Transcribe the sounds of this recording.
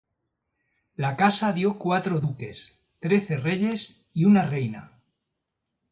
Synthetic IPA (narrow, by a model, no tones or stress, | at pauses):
lakasaðjo̞kwat̪ɾoðuke̞s | t̪ɾe̞θe̞re̞ʎe̞s | iunare̞jna̰